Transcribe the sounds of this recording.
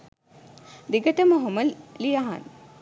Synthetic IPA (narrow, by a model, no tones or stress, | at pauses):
d̪iɡəʈəməɦoməlijaɦa̰n